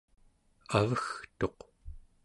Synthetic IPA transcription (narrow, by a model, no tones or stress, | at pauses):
avəxt̪o̞q